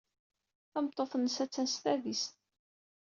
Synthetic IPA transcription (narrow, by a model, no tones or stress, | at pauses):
θæmt̪ˤːoθnːəsæt͡sːænsθævist̪